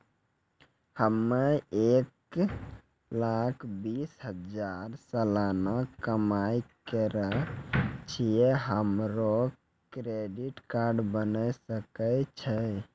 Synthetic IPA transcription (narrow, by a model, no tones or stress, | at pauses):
həmːeek | lakʰbisɦəd͡ʒaɾsəlanakəmajkəɾə | t͡ʃʰijeɦəmɾo | kɾeɖiʈkaɾɖbənəsəkət͡ʃʰə